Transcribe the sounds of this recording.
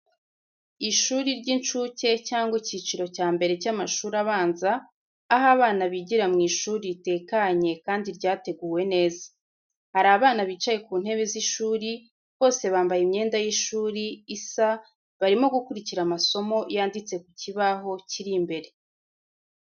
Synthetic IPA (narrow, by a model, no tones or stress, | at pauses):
iʃuːɾiɾɟint͡ʃuːce̞caːŋɡwicit͡ʃiɾo̞caːmbe̞ɾe̞camaʃuːɾaβaːnzaː | ɦaβaːnaβiɟiɾamŋiːʃuːɾite̞ːkaɲe̞kaːndiɾɟaːte̞ɡuːwe̞ne̞ːza | haɾaːβaːnaβiːt͡ʃaje̞kuːn̥he̞βeziʃuːɾi | βo̞ːse̞βaːmbajimɲe̞ːndajiʃuːɾiːsa | βaɾimo̞ɡukuɾiciɾamaso̞mo̞jaːndit͡se̞kuciβaɦo̞ciɾimbe̞ɾe̞